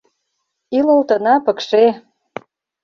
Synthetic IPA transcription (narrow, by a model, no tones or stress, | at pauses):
ilolt̪ə̆nɑpə̆kʃe